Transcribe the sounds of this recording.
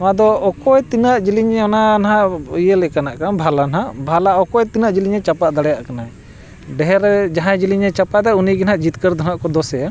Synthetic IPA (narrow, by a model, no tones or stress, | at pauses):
ãd̪ɔːkɔɛt̪inaʔd͡ʒiliɲɛɔnanɦajəlɛkanaʔkaabʱalanɦaʔbʱalaʔɔkɔɛt̪inaʔd͡ʒiliɲɛt͡ʃapaʔd̪aɽɛjaʔkanaɛ | ɖɛɦɛɾd͡ʒaɦãd͡ʒiliɲɛt͡ʃapaʔd̪ɛuniɡɛnɦaʔd͡ʒit̪kəɾd̪ʱɔnaʔkɔd̪ɔsɛja